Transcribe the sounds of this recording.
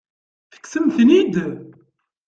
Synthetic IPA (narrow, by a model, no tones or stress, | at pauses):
θə̥ksəmθnid̪